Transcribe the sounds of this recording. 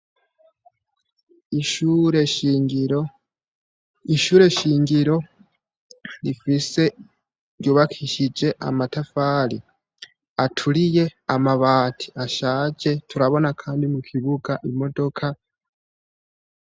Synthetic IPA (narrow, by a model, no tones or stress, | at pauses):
uɾeɾ | iʃuːɾe̞ʃiːŋɡiɾo̞ | lifise̞ | ɾjoːβakʰiʃid͡ʒe̞ʔa̰matafaːli | atʰuɾije̞amaβaːtʰi̥aʃaːd͡ʒe̞tuɾaβo̞nakʰaːndimukʰiβuɡaʔimo̞do̞kʰa